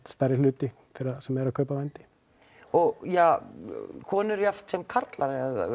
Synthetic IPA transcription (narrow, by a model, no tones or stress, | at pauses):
st̪aɾɪlʏːt̪ɪt̪ʰɪɾasɛmɛɾakʰœːpavɛnt̪ɪ̥ | ɔɣja | kʰɔːnʏɾjaft̪sɛmkʰaɾt̪laɾaða̰